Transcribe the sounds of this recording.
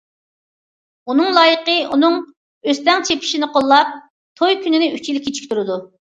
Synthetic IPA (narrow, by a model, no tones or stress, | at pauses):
unɨŋlˠɑːjəqəunɨŋ | øst̪ɛŋt͡ʃʰepʰi̥ʃinɨqʰolˠːɑp̚ | t̪ʰojkʲynɪnɪyt͡ʃʰilɪkʲʰːet͡ʃʰi̥k̚ʲt̪ʰuɾɨd̪u